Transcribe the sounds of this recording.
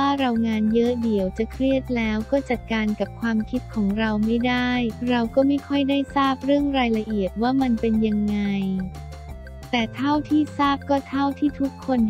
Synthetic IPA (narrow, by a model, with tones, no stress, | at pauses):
aː˥˩ɾa˧wŋaː˧njɤ˦˥ʔdi˩˦əwt͡ɕa˨˩kʰɾi˥˩ət̪̚lɛː˦˥wkɔː˥˩t͡ɕa˨˩t̪̚kaː˧nka˨˩p̚kʰwaː˧mkʰi˦˥t̪̚kʰɔː˩˦ŋɾa˧wma˥˩jdaː˥˩jɾa˧wkɔː˥˩ma˥˩jkʰɔ˥˩jdaː˥˩jsaː˥˩p̚ɾɯ˥˩əŋɾaː˧jla˧ʔi˨˩ət̪̚waː˥˩ma˧npe˧nja˧ŋːa˧j | t̪ɛː˨˩t̪ʰa˥˩wt̪ʰiː˥˩saː˥˩p̚kɔː˥˩t̪ʰa˥˩wt̪ʰiː˥˩t̪ʰu˦˥kʰːo˧n